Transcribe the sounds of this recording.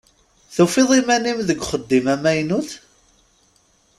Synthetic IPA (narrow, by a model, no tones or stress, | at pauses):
θufiðˤimænimðəɡʷχəd̪ːimæmæjnuθ